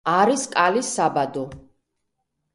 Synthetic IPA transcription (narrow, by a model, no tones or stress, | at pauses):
aɾiskʼalisːabad̪ɔ